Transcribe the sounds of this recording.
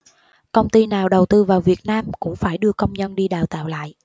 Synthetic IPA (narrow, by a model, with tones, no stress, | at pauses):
kə˧wŋ͡mt̪i˧naː˨˩wɗə˨˩wt̪ɨ˧vaː˨˩wvi˨˩ət̚naː˧mkʊ̰˧˥ŋ͡mfaː˧˩jɗɨ˧əkə˧wŋ͡mɲə˧nɗi˧ɗaː˨˩wt̪a̰ː˧˨wla̰ː˧˨jʔ